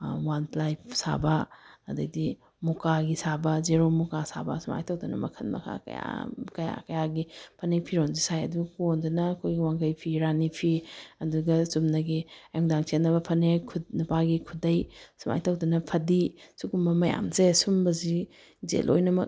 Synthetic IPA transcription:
wanplajpsa̰bɐɐdɐdi | mukaɡisabɐzeɾomukasa̰bɐsuma̰jtʰɐwdɐnɐ̰mɐ̰kʰɐnmɐ̰kʰa̰kɐ̰ja̰kɐja̰kɐjaɡipʰɐnepʰiɾonzisajɐduɡɐkondɐnɐːkʰojɡiwaŋɡɐjpʰiɾanipʰiɐduɡɐsumnɐɡiajuŋdaŋt͡ʃenːɐbɐpʰɐnekʰunupaɡikʰudɐjsuma̰jtʰɐwdɐnɐpʰɐdisukumbɐmɐja̰mzesumbɐzi | zḛlʔo̰jnɐmɐ̰k̚

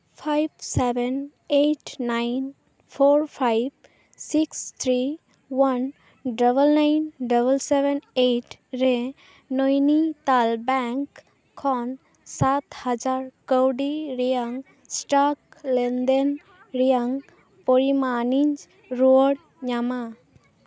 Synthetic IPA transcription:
pʰajbseben | eʈʰnajn | pʰoɾpʰajb | sikst̪ʰɾi | wan | ɖəbəlnajnɖəbəlsebeneʈɾe | nojnit̪albɛŋkʰː | ɔn | sat̪had͡ʒaɾkəwɖiɾijaŋ | sʈaklend̪en | ɾijaŋ | poɾimanind͡ʒ | ɾoɽ | ɲama

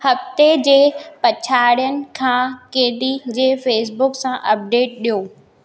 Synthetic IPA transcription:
hɐft̪ed͡ʑeːpɐt͡ɕʰaːɽijənɪ̆kʰãːkeːɗid͡ʑeːfeːs̬bʊksãʔɐp̚ɖeːʈ̚ɗijoː

